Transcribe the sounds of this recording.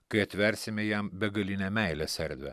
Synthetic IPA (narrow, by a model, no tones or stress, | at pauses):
kɐjɛt̪ʲʋʲɛɾʲsʲɪmʲejæmbʲɛɡɐlʲinʲɛmæjlʲɛsʲɛɾʲd̪ʲʋʲɛ̰